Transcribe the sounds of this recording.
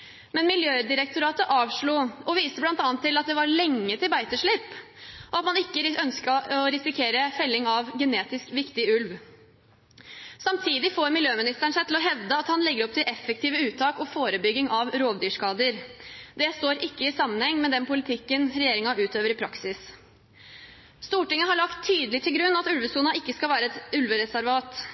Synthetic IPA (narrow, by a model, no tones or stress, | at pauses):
mɛnmɪljøːd̪ɪɾək̚t̪ʊɾɑːt̪əʔɑːʋʂɭuːɔʋiːst̪əblɑnt̪ɑːnt̪ːɪlɑt̪̚d̪ɛʋɑɾɭɛŋːət̪ɪlbæɪt̪əʂɭɪpː | ɔɑt̪mɑnɪkːəœnskəɔɾɪsɪkʰeːɾəfɛlːɪŋɑʋɡɛneːt̪ɪskʋɪkt̪ɪʉlʋ | sɑmt̪ʰiːd̪ɪfoːɾmɪljøːmɪnɪst̪æɳʂæɪɪlɔɦɛʋd̪əɑt̪hɑnlɛɡːəɾɔp̚t̪ɪlʔɛfːɛkt̪iːʋəʉːt̪ʰɑːkɔfoːɾəbʏɡːɪŋɑʋɾoːʋd̪yːʂkɑːd̪əɾd̪ɛst̪oːɾɪkːəɪsɑmːənhɛŋːmɛd̪ɛnpʊlɪt̪ʰɪkːənɾɛjeːɾɪŋɑʔʉːt̪øːʋəɾɪpʰɾɑksɪs | st̪uːʈɪŋːəɦɑɭɑkt̪ʰːyːd̪əlɪt̪ʰɪlɡɾʉnːɑt̪ʉlʋəsuːnɑɪkːəskɑlʋæːɾəɛt̪ʉlʋəɾɛsæɾʋɑːt̪